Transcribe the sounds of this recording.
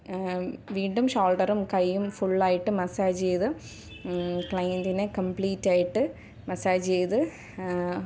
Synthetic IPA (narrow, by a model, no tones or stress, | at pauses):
ʋiːɳɖumɕaːlʈɐɾumkɐjːumfuɭːaːjiʈːɨmɐsaːd͡ʑejðɨ | kɭɐjnd̪inekɐmpɭiːtːaːjiʈːɨ | mɐsaːd͡ʑt͡ɕejðɨ